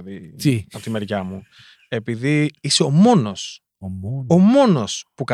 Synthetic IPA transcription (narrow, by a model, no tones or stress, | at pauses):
ðiiɐpot̪ime̞ɾʝɐmu | e̞piðiiseo̞mo̞no̞s | o̞mo̞no̞spukɐ